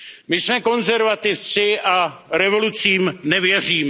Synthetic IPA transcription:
mɪsmɛko̞nzɛɾvat̪ɪft͡sɪʔaɾɛvo̞lut͡siːmnɛvjɛr̝iːm

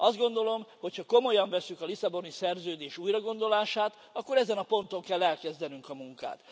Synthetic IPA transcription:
ɒzd̪ɡo̞nd̪o̞lo̞mho̞chɒko̞mo̞jɒɱvɛsːykɒlisɒbo̞nisɛrzøːd̪eːʃuːjrɒɡo̞nd̪o̞laːʃaːt̪ | ɒkːo̞ɾɛzɛnɒpo̞nt̪o̞ŋkɛlːɛlkɛzd̪ɛnyŋkɒmuŋka̰ːt̪

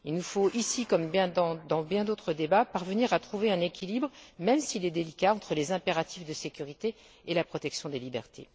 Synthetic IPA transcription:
ilnufoʔisikɔmbjɛ̃d̪ɑ̃d̪ɑ̃bjɛ̃d̪ot̪χəd̪ebapaʁvəniʁat̪χuveɛ̃nekʲilibʁmɛmsilɛd̪elikʲaɑ̃t̪χəlezɛ̃peʁat̪ifd̪əsekʲyʁit̪e | elapχɔt̪ɛksjɔ̃d̪elibɛʁt̪ʰḛ

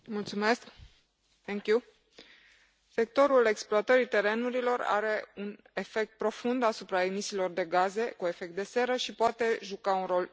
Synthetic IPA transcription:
mult̪sume̞sk | t̪ɛŋkʲju | se̞k̚t̪o̞ɾule̞ksploat̪əɾit̪e̞ɾe̞nuɾilo̞ra̰ɾe̞un | e̞fe̞k̚t̪̚pɾo̞fund̪asupɾae̞misiːlo̞rd̪e̞ɡaze̞kue̞fe̞k̚t̪̚d̪e̞se̞ɾəʃipoat̪e̞ʒukaunro̞l

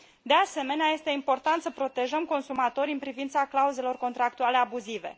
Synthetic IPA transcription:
d̪e̞ase̞me̞neaje̞st̪e̞impo̞rt̪ant̪səpɾo̞t̪e̞ʒəmko̞nsumat̪o̞ɾʲiɨnpɾivint̪saklauze̞lo̞rko̞nt̪ɾak̚t̪uale̞abuzive̞̰

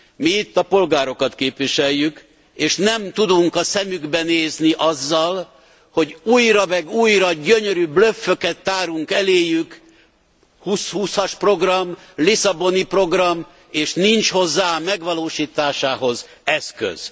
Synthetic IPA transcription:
miːt̪ːɒpo̞lɡaːɾo̞kɒt̪keːpʋiʃɛjːyk | eːʃnɛmt̪ud̪uŋkɒsɛmyɡbɛneːzniʔɒzːɒl | ho̞ɟuːjrɒmɛɡuːjrɒɟøɲøɾybløfːøkɛt̪ːaːɾuŋkɛleːjyk | hushuːsɒʃpro̞ɡrɒm | lisɒbo̞nipro̞ɡrɒm | eːʃnint͡ʃho̞zːaːmɛɡʋɒloːʃiːt̪aːʃaːɦo̞z | ɛskø̰z̥

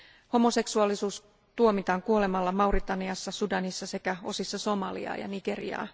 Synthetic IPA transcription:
ho̞mo̞se̞ksuɑlːisuːs | t̪uo̞mit̪ɑːŋkuo̞le̞mɑlːɑmɑurit̪ɑniɑsːɑsudɑnisːɑse̞kæo̞sisːɑso̞mɑlḭɑ̰ːjɑ̰niɡ̥e̞rḭɑ̰ː

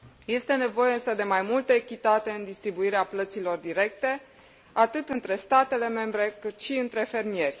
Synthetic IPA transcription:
je̞st̪e̞ne̞vo̞je̞ɨnsəd̪e̞majmult̪əekʲit̪at̪e̞ɨnd̪ist̪ɾibuiɾeaplət̪silo̞rd̪iɾe̞k̚t̪e̞ | at̪ɨt̪ɨnt̪ɾe̞st̪at̪e̞le̞me̞mbɾe̞kɨt̪ʃiɨnt̪ɾe̞fe̞rmije̞rʲ

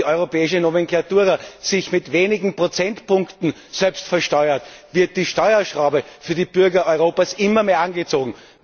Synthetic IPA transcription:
iʔɔʏʁopɛːɪʃənomeŋklatuːʁasɪçmɪtveːnɪɡŋ̩pʁ̥ot͡sɛntpʊ̃ŋktn̩ | z̥ɛlpstfɛɐʃtɔʏɐtvɪɐt̚d̥iːʃtɔʏɐʃʁaʊbəfyːɐdiːb̥ʏɐɡɐʔɔʏʁoːpasʔɪmɐmeːɐanɡət͡soːɡŋ̩

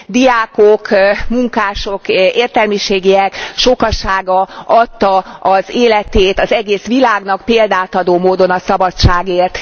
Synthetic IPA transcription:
d̪ijaːkokmuŋkaːʃo̞keːrt̪ɛlmiʃeːɡejɛkʃo̞kɒʃaːɡɒɒt̪ːɒɒzeːlɛt̪eːt̪ɒzɛɡeːsʋilaːɡnɒkpeːld̪aːt̪ɒd̪oːmoːd̪o̞nɒsɒbɒtt͡ʃaːɡeːrt̪

